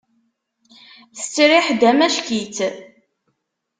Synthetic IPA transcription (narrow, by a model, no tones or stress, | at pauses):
θə̥t͡sːɾiħd̪æmæʃkit͡s